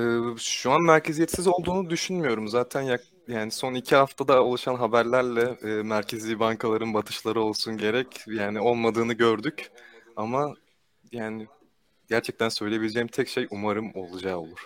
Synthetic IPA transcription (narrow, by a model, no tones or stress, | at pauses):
ɛːʃuanmæɾcʰe̞zijɛt̪sizo̞lˠd̪uːnud̪yʃynmyjo̞ɾumzaːt̪ʰænjak̚ | jaːniso̞nicʰiɦaft̪ʰad̪aolˠuʃanɦabæɾlʲæɾlʲɛːmæɾcʰezʲibaŋkʰalˠaɾɯnbat̪ʰɯ̥ʃlˠaɾɯo̞lˠsunɟe̞ɾɛcjaːnio̞lˠmad̪ɯːnɯɟø̞ɾd̪ycama | jaːnɪ | ɟæɾt͡ʃʰɛc̚t̪ʰænsø̞jlʲebilʲed͡ʒeimt̪ʰɛcʃejumaɾɯmo̞lˠud͡ʒaːo̞̰lˠuɾ̥